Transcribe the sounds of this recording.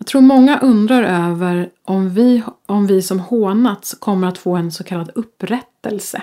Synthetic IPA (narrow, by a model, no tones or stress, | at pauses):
jjɑɡt̪ʰɾuːɾmɔŋːaʔɵnd̪ɾaɾøːvəɾʔɔmvɪɔmvɪsɔmhoːnat̪skʰɔmːəɾat̪foːɛnsɔkʰalːad̪ɵpːɾɛt̪ːəlsə